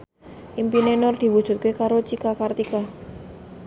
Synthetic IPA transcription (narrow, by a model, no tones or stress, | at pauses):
ʔimpinenɔrd̪̥i̤wud̥ʒ̥ṳt̪̚kekaɾot͡ʃikakart̪ika